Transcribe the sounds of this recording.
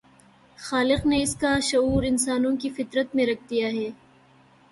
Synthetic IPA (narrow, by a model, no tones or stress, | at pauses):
xaːlɪqneɪskaʃɐuːɾɪnsaːnõkifɪt̪ɾət̪mẽɾɐk̚ʰd̪ijaɦɛː